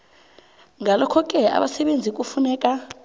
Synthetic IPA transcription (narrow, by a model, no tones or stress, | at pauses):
ŋalɔkʰɔkʼɛa̰ɓasɛɓend͡zʱik̬ʼufunɛːkʼa